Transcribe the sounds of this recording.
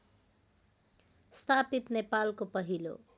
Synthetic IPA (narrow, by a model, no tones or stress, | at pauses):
st̪ʰapit̪nepalkopʌɦilo̰